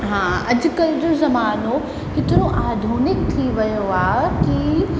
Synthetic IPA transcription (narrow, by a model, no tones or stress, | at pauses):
ɦãːɐd͡ʑkɐld̪əzɐmaːno | kɪt̪ɪɾoʔaːd̪ʱuːnɪk̚t̪ʰiʋɐjoaːki